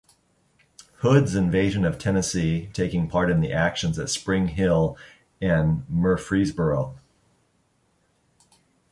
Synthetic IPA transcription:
hʊdzɨ̃ɱveɪʒɨ̃nʌv̥tʰɛnɨsitʰeɪkɪ̃ŋpʰɑɹɾɨ̃nðḭʔækʃɨ̃n̩zɨtspɹɪ̃ŋɦɪlˠ | ɨ̃nmə˞fɹizbə˞oʊ

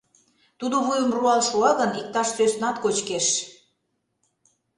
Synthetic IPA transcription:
t̪ud̪oβujəmruɑlʃuɑɣənik̚t̪ɑʃsøsnɑt̪kot͡ɕkeʃ

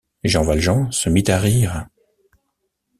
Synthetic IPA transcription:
ʒɑ̃valʒɑ̃səmit̪aʁiːʁ

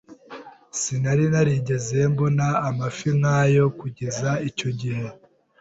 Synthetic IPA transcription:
sinaɾinaɾiɟe̞ze̞mbonaːmafiŋajo̞kuɟe̞zaico̞ɟihe̞

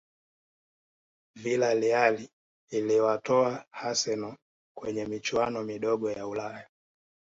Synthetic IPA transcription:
vilalialiː | liwatɔahasɛnɔ | kwɛɲɛmit͡ʃwanɔmiɗɔɠɔjaulaja

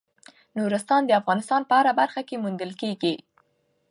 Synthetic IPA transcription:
nuɾəst̪ɑnd̪əafɣɑnɪst̪ɑnpəaɾabaɾxakemund̪əlkeɡi

